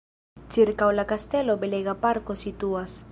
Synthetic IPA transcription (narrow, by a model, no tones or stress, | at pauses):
t͡siɾkawlakast̪elobeleɣapaɾkosit̪uas